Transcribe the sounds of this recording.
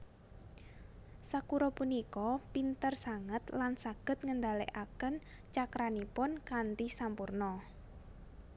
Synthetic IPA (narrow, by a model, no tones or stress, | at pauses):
sakuɾɔpunikɔpint̪ərsaŋət̪lansaɡ̥ə̤t̪̚ŋənd̪a̤lḛʔakən | t͡ʃakɾanipʊnkant̪isampurnɔ